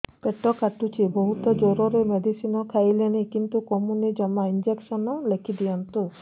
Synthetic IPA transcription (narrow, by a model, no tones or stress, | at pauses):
peʈɔkaʈut͡ʃʰibɔɦut̪ɔd͡ʒoɾɔɾemed̪ʱisinɔkʰajlenikint̪ukɔmunid͡ʒɔmaind͡ʒeksɔnɔlekʰid̪ijant̪u